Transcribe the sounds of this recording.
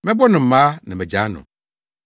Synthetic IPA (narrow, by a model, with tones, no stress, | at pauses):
mɛ̃˦bɔ˦nʊ̃˨m̩˨˦mãː˦nã˨mɛ̃˨d͡ʑaː˨˦nʊ̰̃˨